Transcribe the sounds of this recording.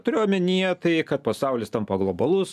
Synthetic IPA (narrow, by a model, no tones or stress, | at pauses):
t̪ʊɾʲeːjomʲɪnʲiɛt̪ɐɪkɐt̪̚pɐsɐʊlʲɪst̪ɐmpɐɡlˠoːbɐlˠʊs